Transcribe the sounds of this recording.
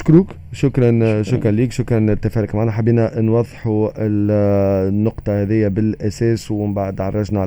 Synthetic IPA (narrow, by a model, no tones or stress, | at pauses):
ʃkɾuːk | ʃʊkɾˤɑnʃʊkɾˤɑnliːkʃʊkɾˤɑnɪt̪ːæfæːɾɪkmaʕanæħabːiːnænwɑðˤːħuɪl | nːʊqt̪ˤɑhɛðɪjːabɪlʔæsɛːswɪmbaʕd̪ʕɑrˤːɑʒnaʕa